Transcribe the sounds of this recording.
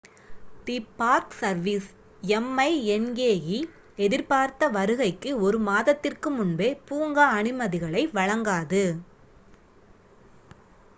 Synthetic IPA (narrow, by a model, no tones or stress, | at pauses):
t̪ipaːɾksɐɾʋis | ɛmːɐɪɛnɡeːɣi | ɛðɪɾpaːɾt̪ɐʋɐɾɯɣɐɪkːɯɔɾɯmaːðɐt̪ːɪrkɯmʊnbeːpuːŋɡaːɳɪmɐðɪɣɐɭɐɪʋɐɻɐŋɡaːðɯ